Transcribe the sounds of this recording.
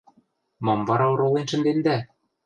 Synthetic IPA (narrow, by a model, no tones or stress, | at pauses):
mɑmvɑɾɑŏɾolenʃɘ̆nd̪end̪æ